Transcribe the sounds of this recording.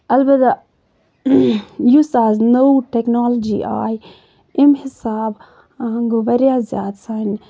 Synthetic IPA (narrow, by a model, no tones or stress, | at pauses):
ɐlbɐt̪a | jusaːznowʈeknaːlɐd͡ʒḭʔa̰ːj | ɪmhɪsaːb | aŋɡuʋɐɾjãːzja̰ːd̪san